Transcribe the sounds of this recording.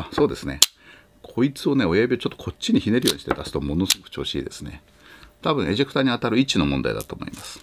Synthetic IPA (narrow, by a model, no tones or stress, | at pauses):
so̞ːd̪e̞sɨne̞̰ | kʰo̞it͡sɨo̞ne̞o̞jabʲiot͡ɕo̞t̪ːokʰo̞t͡ɕːiɲ̟içine̞ɾɯ̟jo̞ːɲi̥t̪e̞d̪asɨ̥t̪o̞mo̞no̞sɨɡok̟t͡ɕo̞ːɕḭːd̪e̞sɨne̞̰ | t̪abɯ̟̃ɰ̃e̞ʑikɯ̟t̪aɲ̟iat̪aɾɯ̟it͡ɕino̞mõ̞nd̪a̰ḭd̪a̰t̪o̞ːmo̰imasɨ̥